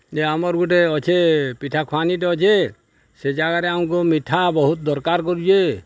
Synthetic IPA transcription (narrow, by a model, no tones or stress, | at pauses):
d͡ʒeamɔɾɡuʈeɔt͡ʃʰepiʈʰakʰaniʈ̬ɔɔt͡ʃʰe | sed͡ʒaɡaɾɛaũkumiʈʰabɔɦut̪̚d̪ɔɾkaɾkɔɾut͡ʃʰe